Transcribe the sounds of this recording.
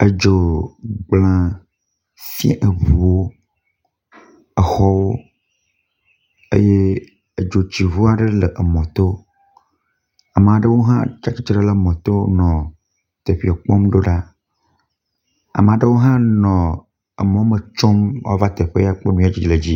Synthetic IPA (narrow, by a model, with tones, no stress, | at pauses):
e˨d͡ʒo˨ɡ͡blã˨ | fi˦a˦ʔe˨βu˨wo˦ | ə˨xɔ˦wo˦ | ḛ˦je˦ | e˨d͡ʒo˨t͡ɕi˨βu˦a˨ɖe˦lə˨ʔə˨mɔ̃˨t̪o˦ | a̰˨m˨a˨ɖe˦wo˦ɦã̰˦t͡ʃa˦t͡ʃi˦t͡ʃɾe˦lə˨mɔ̃˨t̪o˦nɔ̃˨ | t̪e˨ɸi˨ɔ˨k͡pɔ˦mɖo˦ɖa˦ | a̰˨m˨a˨ɖə˦wo˦ɦã˦nɔ̃˨ | ə˨mɔ̃˨˦mə˨t͡ʃo˦mwa̰˦va˦t̪e˨ɸe˦ja˦k͡pe˦nũ˦a˦˨d͡ʑi˨d͡ʒle˨d͡ʑi˦